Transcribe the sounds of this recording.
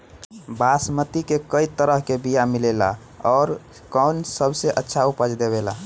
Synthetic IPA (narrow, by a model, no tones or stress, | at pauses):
basmət̪ikekəit̪əɾəɦkebijamilela̰ | ɔːɾ | kɔnsəbseʔətːʃʰaupəd͡ʒd̪eβela